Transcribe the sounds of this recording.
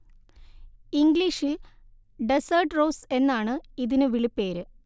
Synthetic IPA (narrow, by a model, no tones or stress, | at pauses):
iŋɡliʂil | ɖesɐrʈro̞ːse̞nːaːɳɨiðinɨʋiɭipːeːɾɨ